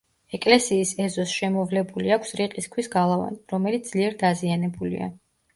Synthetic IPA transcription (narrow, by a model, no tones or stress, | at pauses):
ɛkʼlɛsiːsɛzɔsʃɛmɔvlɛbuliakʷʰsɾiqʼiskʰwisɡalˠava̰nɾɔmɛlit̪z̥liɛɾd̪azianɛbulḭa̰